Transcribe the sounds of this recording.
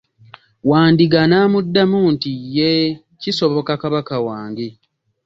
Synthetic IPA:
waːndiɡanaːmudːamuːntijːe | ciso̞βo̞kakaβakawaːŋɡe

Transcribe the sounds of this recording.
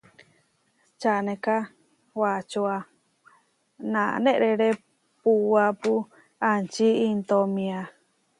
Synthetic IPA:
t͡ʃanẽka | wat͡ʃoa | nã̰nẽʔɾeɾe | puapu | ant͡ʃiint̪omĩa

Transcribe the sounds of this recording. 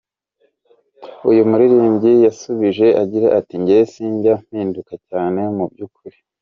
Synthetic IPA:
ujumuɾiɾiːmɟijasuβiʒe̞ʔaɟiɾeʔatiɲɟejesiːɲɟam̥iːndukacaːne̞mub̚ɟuːkuɾi

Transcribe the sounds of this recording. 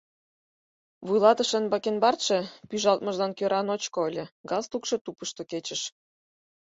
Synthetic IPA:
βujlɑt̪əʃənbɑkenbɑrt̪ʃĕpyʒɑlt̪mə̆ʒlɑnkøɾʔɑnot͡ɕkoəlʲĕɡɑst̪ukʃĕt̪upəʃt̪oket͡ɕə̆ʃ

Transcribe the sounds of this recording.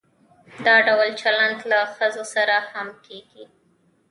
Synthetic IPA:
d̪ɑɖawlt͡ʃalandlaxəzosaɾahamkeɡi

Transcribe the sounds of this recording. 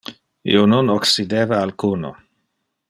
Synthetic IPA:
ḭonunoksid̪eːvaːlkuːno̰

